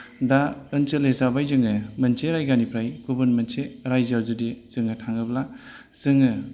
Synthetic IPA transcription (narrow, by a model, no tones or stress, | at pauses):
daɯnt͡ʃelesabajzɯŋɯmɐnt͡ʃeɾajɡanipʰɾajɡ̥ubɐnmɐnt͡ʃeɾajzazudez̥ɯŋɯtʰaŋɯbla | z̥ɯŋɯ